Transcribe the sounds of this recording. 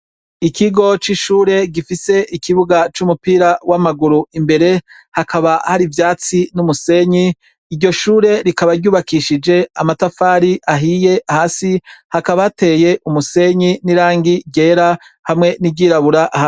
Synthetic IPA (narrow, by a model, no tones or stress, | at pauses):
ikiɡo̞t͡ʃiʃuːɾe̞ɡifise̞ikiβuɡat͡ʃumupiːɾawamaɡuɾuimbe̞ɾe̞ | hakʰaβahaɾivjaːt͡sinumuse̞ɲiː | ɾɟo̞ʃuːɾe̞ɾikaβaɾɟuːβakiʃid͡ʒe̞amatafaːɾiʔaɦije̞ahaːsihakaβate̞ːje̞ʔumuse̞ɲiniɾaːŋɡiɟe̞ːɾa | hamŋe̞nibɟiːɾaβuɾaʔha